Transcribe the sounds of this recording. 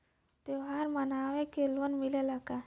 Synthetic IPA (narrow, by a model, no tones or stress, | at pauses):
t̪eʋɦaɾmənaʋekelənmilelaɡa